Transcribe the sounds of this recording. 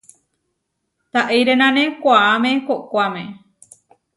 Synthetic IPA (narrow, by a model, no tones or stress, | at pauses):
t̪aʔejɾenãnẽkʷaamekokʷamẽ